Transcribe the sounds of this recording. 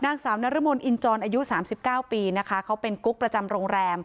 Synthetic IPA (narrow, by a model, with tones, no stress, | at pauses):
naː˧ŋsaː˩˦wna˦˥ɾa˦˥mo˧nʔi˧nt͡ɕɔː˧nʔaː˧ju˦˥saː˩˦msi˨˩p̚kaː˥˩wpiː˧na˦˥kʰa˦˥kʰa˦˥wpe˧nku˦˥k̚pɾa˧t͡ɕa˧mɾoː˧ŋɾɛː˧m